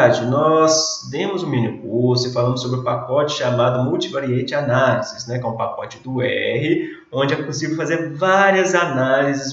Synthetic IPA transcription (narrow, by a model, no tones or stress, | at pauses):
ad͡ʒɪnɔsd̪ẽmʊzũmĩnikuɾsʊɪfalɐ̃mʊsːobɾɪʊpakɔt͡ʃɪ̥ʃamad̪ʊmuwt͡ʃivaɾiẽnt͡ʃɪanalizɪsnɛkõpakɔt͡ʃɪd̪ʊɛɦɪ | õd͡ʒɪɛposivewfazeɾvaɾiɐzanalizɪs